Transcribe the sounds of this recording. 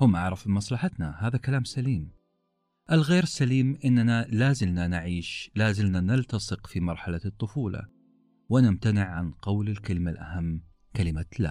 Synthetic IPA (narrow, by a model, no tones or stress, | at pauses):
hʊmʔaʕɾˤɑfmɑsˤlɑħat̪nahaːðakalaːmsaliːm | ʔalɣeːɾsaliːmʔɪnːanalaːzɪmnanaʕiːʃlaːzɪmnanɪlt̪ɑsˤɨqfimɑɾˤħalat̪ˤːʊfuːlɑ̰ | wɪnɪmt̪anɪʕʕa̰nqɑwlɪlkalɪmalʔa̰hamː | kalɪmala̰ː